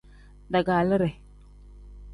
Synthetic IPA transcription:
da˨ɡa˨lə˦ɾe˨

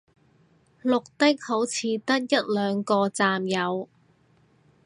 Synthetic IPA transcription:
lʊ˨k̚t̪ɪ˥k̚ho˨˥wt͡sʰiː˨˧t̪ɐ˥k̚jɐ˥t̚lœː˨˧ŋkɔː˧t͡saː˧mjɐ˨˧w

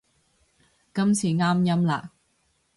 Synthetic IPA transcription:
kɐ˥mt͡sʰiː˨˩ŋaː˥mjɐ˥mla̰ː˨k̚

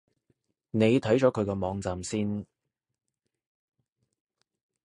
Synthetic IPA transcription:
ne˨˧jt̪ʰɐ˨˥jt͡ʃɔː˨˥kʰɵ˨˧ɥkɛː˧mɔː˨˧ŋt͡saː˨msiː˥n

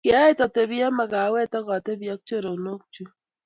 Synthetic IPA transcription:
kja˦i˦ta˨te˦βja˦ma˨ɣa˨we˦ta˦ɣa˨te˦βja˦k̚t͡ʃe˦ɾo˨no˦k̚t͡ʃu˦

